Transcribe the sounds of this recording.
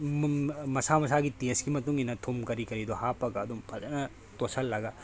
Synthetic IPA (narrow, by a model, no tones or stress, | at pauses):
mɐsamɐs̬aɡiteskimɐtuŋinɐtʰomkɐɾikɐɾidɔhapɐɡɐːdumpʰɐzɐnɐ | tosʰɐlːaɡɐ